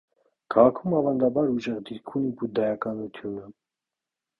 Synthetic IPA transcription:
kʰɑʁɑkʰumɑvɑnd̪ɑbɑɾuʒɛʁd̪iɾkʰunikud̪ɛjɑkɑnut̪ʰjunə

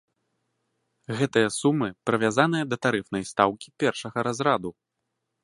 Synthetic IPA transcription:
ɣɛt̪ɨjɐsumɨpɾɨvʲazanɨjɐd̪ɐt̪aɾɨfnɐjst̪awkʲipʲɛrʂɐɣɐɾazɾad̪u

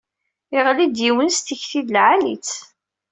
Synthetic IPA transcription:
ɪʁlid̪jiwənst̪əçθiðlʕalit͡s

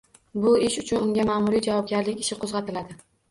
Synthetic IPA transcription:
bʊɪʃʊt͡ʃʰʊnʊŋɡʲamamʊɾijd͡ʒavɒb̚ɡʲaɾlɪkʲɪ̥ʃɪqʰozʁɑt̪ʰɪlad̪ɪ

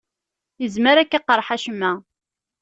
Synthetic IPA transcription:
jəzməɾækːaqːəɾˤħaʃmːæ

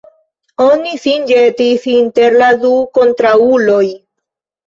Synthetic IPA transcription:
onisind͡ʒetisinte̞ɾladuko̞nt̪ɾaulo̞j

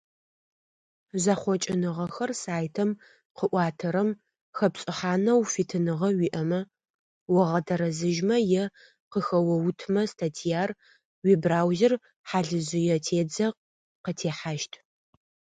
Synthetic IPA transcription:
zaχʷɔt͡ʃʼɪnɨʁɐxɐrsaːjtʰɐm | qəʔʷɑːtʰɐɾɐm | xɐpɕʼɪħaːnɐwfitʰɨnɨʁɐwiːʔɐmɐ | wɐʁɐdʰɐɾɐzɨʒmɐjɛ | qəxɐwɐwtʰmɐstʰatʰijaːr | wibraːwzɪr | ħaːɮɨzɪjɛtʰeːd͡zɐq | qətʰeːħaʃtʰ

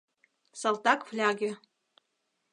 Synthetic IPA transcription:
salˠt̪ɑkflʲɑɡʲĕ

